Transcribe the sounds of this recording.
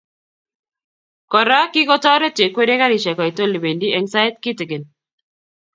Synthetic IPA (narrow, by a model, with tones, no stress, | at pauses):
kɔ˨ɾa˦ki˦kɔ˦tɔ˦ɾɛ˦t͡ʃe˨kwe˦ɾe˦ka˦ɾi˨ʃɛ˨ka˨i˨to˦li˨be˨ndi˦ɛ˦ŋsa˦e˦t̪̚ki˦tɪ˨ɡɪ˨n